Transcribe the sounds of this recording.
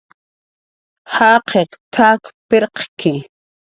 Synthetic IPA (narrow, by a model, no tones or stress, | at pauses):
haːqʰeqt̪ʰaːkpeɾqkɪ